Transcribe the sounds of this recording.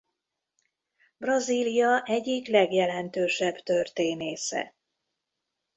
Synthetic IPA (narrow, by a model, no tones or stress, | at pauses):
brɒziːlijɒʔɛɟːiklɛɡjɛlɛnt̪øːʃɛbt̪ø̞rt̪eːneːsɛ̰